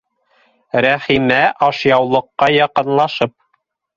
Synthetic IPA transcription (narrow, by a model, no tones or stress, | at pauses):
ɾæχimæʔɑʃjɑwlˠɤ̆qːɑjɑqɤ̆nlˠɑʃɤp̚